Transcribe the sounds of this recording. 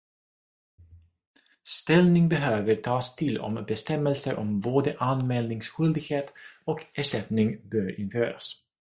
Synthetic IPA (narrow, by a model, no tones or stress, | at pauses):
st̪ɛlnɪŋbɛɦøːvəɾʈʰɑːst̪ʰɪlːɔ̰mbɛst̪ɛmːɛlsəɾʔɔ̰mboːd̪əʔanmɛːlnɪŋsɧʏld̪ɪɡheːt̪ɔkæːʂɛt̪nɪŋbœːɾɪnføːɾa̰s